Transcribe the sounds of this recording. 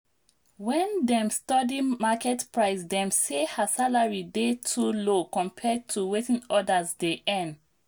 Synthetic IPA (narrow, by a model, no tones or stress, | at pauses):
wɛ̃ndɛ̃mstɔdimakɛtpɹaɪsdɛ̃msehasalaɹidetʰulokɔ̃mpʰɛd̚tʰuwetĩnɔdazdeʔɛ̃nd